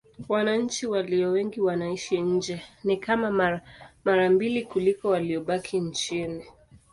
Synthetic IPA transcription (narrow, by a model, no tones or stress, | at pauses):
wanaɲ̩t͡ʃiwaliɔwɛŋɡiwanaiʃiɲ̩d͡ʒɛnikamammaɾambilikulikɔwaliɔɓakʰint͡ʃini